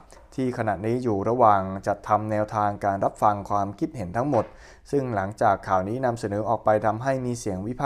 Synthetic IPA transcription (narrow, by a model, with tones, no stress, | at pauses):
t̪ʰiː˥˩kʰa˧na˨˩niː˦˥juː˨˩ɾa˧waː˨˩ŋt͡ɕa˨˩t̪ʰːa˧mnɛː˧wt̪ʰaː˧ŋkaː˧nɾa˦˥p̚fa˧ŋkʰwaː˧mkʰi˦˥t̪̚he˩˦nt̪ʰa˦˥ŋmo˨˩t̪̚ | sɯ˥˩ŋla˩˦ŋt͡ɕaː˨˩kʰːaː˨˩wniː˦˥na˧msa˨˩˦nɤː˩˦ʔɔː˨˩k̚pa˧jt̪ʰa˧mɦa˥˩jmiː˧si˨˩˦əŋwi˦˥pʰaː˥